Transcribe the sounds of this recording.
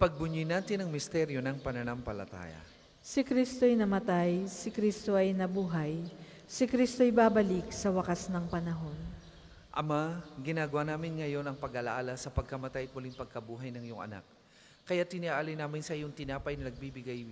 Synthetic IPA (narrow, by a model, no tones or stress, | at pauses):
pɐɡ̚bʊɲːʊjnaːt̪ɪnɐŋmɪst̪ɛɾjo̞nɐŋpɐnɐnampɐlɐ̰t̪a̰ːja̰ | sɪkɾist̪oɐjnɐmɐt̪ajsɪkɾist̪o̞ʔɐjnɐbuːɦɐj | sɪkɾist̪oɐjbaːbɐlɪksɐwɐkasnɐŋpɐnɐɦo̞n | ʔɐmaɡɪnaːɡɐwanaːmɪnŋɐjo̞nɐŋpɐɡʔɐlaʔaːlɐsɐpɐɡ̚kɐmɐt̪ajɐt̪̚mʊliŋpɐɡ̚kɐbuːɦɐjnɐŋjʊŋɐ̰na̰k̚ | kɐjat̪ːɪniʔaʔaːlɪjnaːmɪnsɐʔijʊŋt̪ɪnaːpɐjnɐnɐɡ̚bibɪɡaj